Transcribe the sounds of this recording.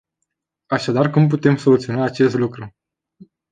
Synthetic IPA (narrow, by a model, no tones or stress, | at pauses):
aʃad̪arkump̬ut̪e̞mso̞lut̪sio̞naːt͡ʃe̞st̪lukɾu